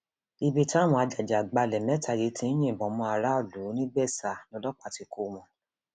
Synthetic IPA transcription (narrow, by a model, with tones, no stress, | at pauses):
i˧bi˧ta˦˨m̃ɔ̃˧a˧d͡ʒa˨d͡ʒa˨ɡ͡ba˧lɛ˨mɛ˨˦ta˨je˨˦tĩ˧n˦j̃ĩ˦˨bɔ̃˨˦mɔ̃˧a˧ɾa˦o˦˨lu˨˦nĩ˦ɡ͡bɛ˦˨sa˨nɔ̃˨˧˦lɔ˦k͡pa˦˨ti˧kʰo˧˨mɔ̃˨˧